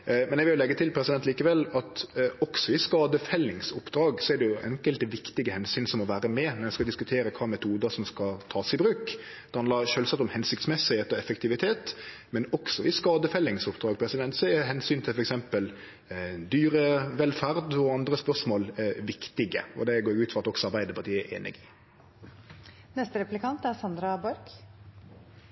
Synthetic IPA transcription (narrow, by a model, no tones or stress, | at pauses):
mɛnjɛɡʋɪlj̪ʊlɛɡːət̪ʰɪlpʰɾɛsɪd̪ɛnt̪liːkəʋɛlːɑt̪ɔksɔɪskɑːd̪əfɛlːɪŋsʊpːd̪ɾɑːɡsɔɛɾɖ̪ɛjʊʔɛ̰ŋkəlt̪ʋɪkt̪ɪɡəhɛnsyːnsɔmɔʋæːɾəmɛnɔɾɛskɑd̪ɪskʉt̪ʰeːɾəkʰɑːmɛt̪ʰuːd̪əʂɔmskɑt̪ʰɑːsɪbɾʉːk | d̥̪ɛhɑnd̪ɑɾʃøːlsɑt̪ːɔmhɛnsʏkt̪smɛsːɪheːt̪ɔɛfəkt̪ʰɪʋɪt̪ʰeːt̪ | mɛnɔksɔɪskɑːd̪əfɛlːɪŋsʊpd̪ɾɑːɡəpʰɾɛsɪd̪ɛnt̪sɔɛɦɛnsyːnt̪ʰɪlfɔɾɛksɛmpəl | d̪yːɾəʋɛlfæɾd̪ɔɑnd̪ɾəspœʁʂmoːlʋɪkt̪ɪɡə̰ɔ̰d̪ɛɡoːɾjʉːt̪fɔɾɑt̪ɔksɔɑɾbæɪd̪əpʰɑɾt̪ʰiːəʔḛːnɪ̰ɡɪ | nɛst̪əɾɛplɪkʰɑnt̪æɾsɑnd̪ɾɑbɔɾk